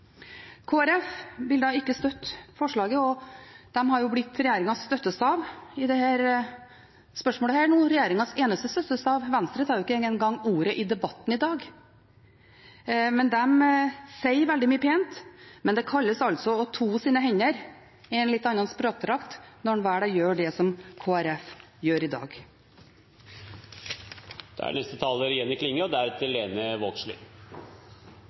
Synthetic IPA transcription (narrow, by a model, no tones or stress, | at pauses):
kʰoːæɾɛfʋɪld̪ɑːɪkːəst̪œt̪ːfɔʂɭɑːɡəɔd̪̥ɛmɦɑɾjʊblɪt̪ːɾɛjeːɾɪŋɑst̪œt̪ːəst̪ɑːʋɪd̪ɛhæːɾ | spœʂmoːləæːɾænuːnɾɛjeːɾɪŋɑseːnəst̪əst̪œt̪ːəst̪ɑːʋʋɛnst̪ɾət̪ʰɑɾʊɪkːəɛːŋənɡɑŋːuːɾəʔɪd̪ɛbɑt̪ːn̩ɪd̪ɑːɡ | mɛnd̪ɛmsɛɪɾʋɛld̪ɪmyːəpʰeːnt̪mɛnd̪ɛkʰɑlːəsɑlt̪sɔɔt̪ʰuːsiːnəɦɛɲːəɾ | ɛnlɪt̪ːɑnɑnspɾoːk̚t̪ʰɾɑkt̪nɔɳʋæːɖɑjøːɖɛsɔmkʰoːæɾɛfjøːɾɪd̪ɑ̰ːɡ | d̪̥̰æ̰ɳɛst̪ət̪ʰɑləɾjɛnːɪkʰlɪŋːəɔd̪ææɾɛt̪ʰːəleːnəʋoːkslɪ̰